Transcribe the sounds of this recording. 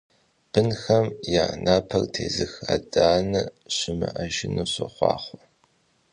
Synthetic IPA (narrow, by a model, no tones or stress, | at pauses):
b̥ɨnxɐmjanʔaːpʰɐrtʰeːzɨxadʼaːnɨɕɪmɨʔaʒɪnuːɕɐχʷɑ̰ːχʷɔ̥